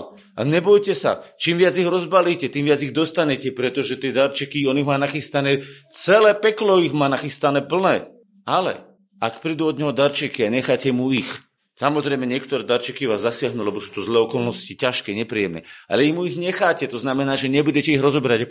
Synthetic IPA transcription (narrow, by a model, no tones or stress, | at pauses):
ɲɛbɔjcɛsa̰t͡ʃiːmʋɪad͡ziɣɾɔzbaliːcɛt̪iːmʋɪad͡ziɣd̪ɔst̪aɲɛcɛpɾɛt̪ɔʒɛt̪ɪɛd̪aɾt͡ʃɛkiɔniɣmaːnaxist̪anɛːt͡sɛlɛːpɛklɔiɣmaːnaxist̪anɛːpl̩nɛː | alɛ̰ | akpɾid̪uɔd̪ɲɛɦɔd̪aɾt͡ʃɛkiaɲɛxaːcɛmuix | samɔzɾɛjmɛɲɪɛkt̪ɔɾɛːd̪aɾt͡ʃɛkiʋaːzːasɪaɦnulɛbɔsuːt̪ɔzlɛːɔkɔlnɔscicaʃkɛːɲɛpɾijɛmnɛ̰a̰lɛimuiɣɲɛxaːcɛt̪ɔznamɛnaːʒɛɲɛbuɟɛcɛiɣɾɔzɔbɛɾaɟ